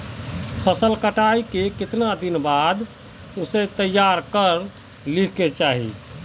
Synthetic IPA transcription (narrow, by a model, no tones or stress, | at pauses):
pʰəsəlkəʈaikekɪt̪nad̪inbad̪ | uset̪əjːaɾkəɾ | likʰket͡ʃaːɦḭ